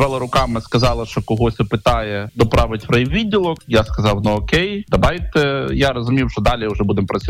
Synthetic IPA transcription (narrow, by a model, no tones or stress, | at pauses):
ʋɛlˠɐɾʊkɑmɪskɐzɑlˠɐʃt͡ʃɔkɔɦɔsʲɪpɪt̪ɑjɛd̪ɔpɾɑʋɪtʲpɾɐjiʋʲidʲːilˠɔkjaskɐzɑwnɐɔkɛjd̪ɐbɑjʲt̪ɛjaɾɔzʊmʲiwʃt͡ʃɔd̪ɑlʲiʊʒɛbud̪empɾɐt͡sʲ